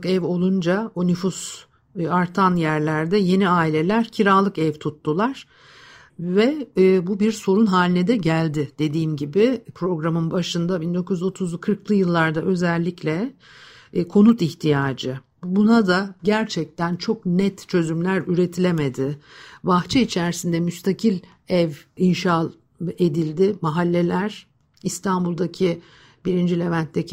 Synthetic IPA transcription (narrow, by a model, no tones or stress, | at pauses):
kɛvo̞lˠund͡ʒaonyfus | aɾt̪ʰanjæɾlʲæɾd̪ɛje̞niaːilʲe̞lʲæɾcʰiɾaːlˠɯkɛvt̪ʰut̪ːulˠaɾ̥ | vɛbubiɾso̞ɾunɦaːlʲinɛd̪ɛɟælʲd̪ɪd̪̥e̞d̪iːmɟibɪpʰɾo̞ɡɾamɯnbaʃɯnd̪abind̪o̞kʰujyzo̞t̪ʰuzkʰɯɾklˠɯjɯlˠːaɾd̪aʔø̞zælʲːiclʲɛ | kʰo̞nut̪içt̪ʰijaːd͡ʒɯ | bunad̪aɟæɾt͡ʃʰɛc̚t̪ænt͡ʃʰo̞knɛt̪t͡ʃʰø̞zymlʲæɾyɾe̞t̪ʰilʲeme̞d̪ɪbaxt͡ʃʰɛit͡ʃʰæɾsind̪ɛmyst̪ʰacʰilʲ | ɛvinʃalˠ | e̞d̪ilʲd̪ɪmaɦalʲːe̞lʲæɾ̥ | ist̪ʰanbulˠd̪acʰi | biɾind͡ʒilʲe̞vænt̪ʰːecʰi